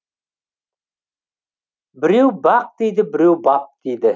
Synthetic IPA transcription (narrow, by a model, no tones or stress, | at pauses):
bɪɾiwbɑq̚d̪ijd̪ɪbɪɾewbɑp̚d̪̥ijd̪ɪ